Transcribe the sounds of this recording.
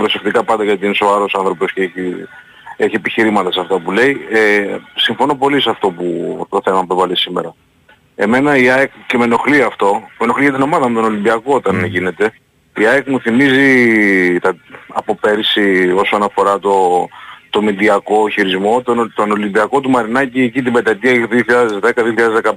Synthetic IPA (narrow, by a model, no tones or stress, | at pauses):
pɾo̞sekt̪ikɐpɐnd̪ɐʝɐt̪inesoɐɾo̞sɐnθɾo̞po̞sceeçi | eçiepiçiɾimɐt̪ɐsɐft̪ɐpule̞iesiɱfo̞nopo̞lisɐft̪o̞put̪o̞θe̞mɐpevɐlesimeɾɐ | e̞me̞nɐiɐekce̞me̞no̞xliɐft̪o̞me̞no̞xliʝɐt̪̬ino̞mɐðɐmet̪o̞no̞limbiɐko̞ot̪ɐnʝine̞t̪e̞ | iɐekmuθimizit̪ɐɐpo̞pe̞ɾsio̞sonɐfo̞ɾɐt̪o̞t̪o̞mid̪iɐko̞çiɾizmo̞t̪ot̪ono̞limbiɐko̞t̪umɐɾinɐciecit̪ibed̪ɐt̪iɐðioxɾiɐðezðekɐðioxɾɐðzðekɐ